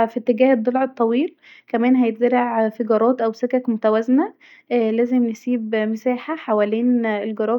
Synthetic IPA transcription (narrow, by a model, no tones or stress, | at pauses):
fit̪ːeɡæːhed̪ˤːolʕet̪ˤːɑwiːl | kæmæːnɦæjet̪̚zæɾɑʕfiɡɑɾˤɑːt̪ʔæwsekækmot̪æwæznæ | læːzemnesiːbmesæːħaħawæliːnelɡɑɾˤɑː